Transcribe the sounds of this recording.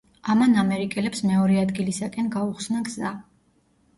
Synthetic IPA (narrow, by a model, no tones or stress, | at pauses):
amanamɛɾikʼɛlɛpsmɛɔɾɛad̪ɡilisakʼɛnɡauχsnaɡza